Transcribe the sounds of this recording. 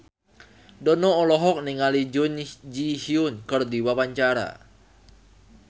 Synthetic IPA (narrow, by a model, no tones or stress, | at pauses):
dɔnɔːlɔɦɔk̚niŋalid͡ʒund͡ʒihiʊnkɨrdiwapaɲt͡ʃaɾa̰